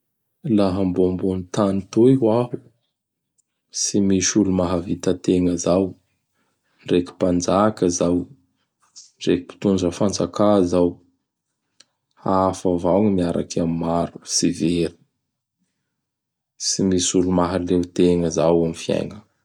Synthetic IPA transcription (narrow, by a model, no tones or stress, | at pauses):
laɦambombont̪anit̪oiɦwaɦu | simisulumaɦavit̪ət̪eŋəzaw | nɖ͡ʐeki̥pand͡zakəzaw | reki̥pi̥t̪und͡ʒəfand͡zakazaw | hafavawŋmiaɾa̰kamimaɾu̥siveɾi̥ | simisulumaɦalewt̪eŋəzawamifia̰jŋə